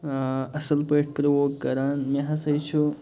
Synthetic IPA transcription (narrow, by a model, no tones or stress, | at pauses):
ɐsɐlpeːʈ̚ʰpɾɐwoːkːɐɾaːnmeɦɐsɐjt͡ʃʰu